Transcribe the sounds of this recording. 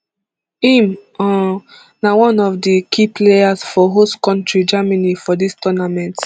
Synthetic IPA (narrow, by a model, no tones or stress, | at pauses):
ĩmɔ̃ | nawɔ̃nɔvdəkʰipleasfɔɦostkɔ̃ntɹid͡ʒamanifɔdistɔnamɛ̃nt